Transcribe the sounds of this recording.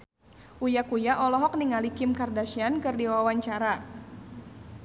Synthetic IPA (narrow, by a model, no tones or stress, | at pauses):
ʔujakujaʔɔlɔɦɔk̚niŋalikɪmkardaʃiankɨrdiwawaɲt͡ʃaɾa